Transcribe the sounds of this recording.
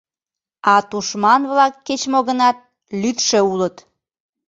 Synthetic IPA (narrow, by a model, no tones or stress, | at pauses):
ɑt̪uʃmɑnβlɑkːet͡ɕmoɣənɑt̪̚ | lyt̪ʃeulət̪